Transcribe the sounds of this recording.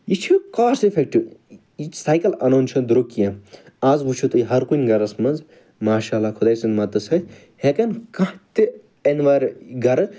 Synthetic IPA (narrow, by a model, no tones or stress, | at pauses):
it͡ʃʰukaːɾsefʰek̚ʈi | isaːjkɐlɐnoːnʲt͡ʃʰɐnd̪ɾokijɐ̃ | aːzbut͡ʃʰut̪ɨjɦɐɾkunʲɡɐɾɐsmɐnz | maːʃaːlakʰud̪ɐjsɨnmɐt̪ɨsʰɐ | hekɐnkãt̪i | enʋaɾɡɐɾɨ